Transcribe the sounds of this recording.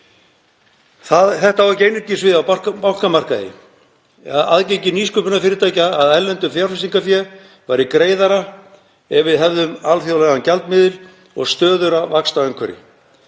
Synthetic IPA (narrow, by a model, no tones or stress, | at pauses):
θaðθɛht̪avaɾcejnɪɾcɪsvɪðawpawkamar̥kaðɪ̰ | aa̰ðcecɪniːskʏpʏnafɪːɾɪt̪aːjcaːðɛlːɛnt̪ʏfjaɾfɪsiŋkafjɛ | vajɾɪkɾeːjðaɾa | ɛvɪðɦɛvðʏmalθjawlɛɣancalt̪mɪːðɪɾ̥ | ɔ̰ɣst̪œːðʏɾavakst̪aɛŋkʰvɛɾɪ̰